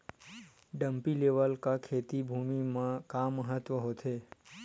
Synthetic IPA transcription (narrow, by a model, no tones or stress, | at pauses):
ɖəmpileʋəlkakʰet̪ibʱumimãkamːəɦət̪ʋəɦot̪ʰe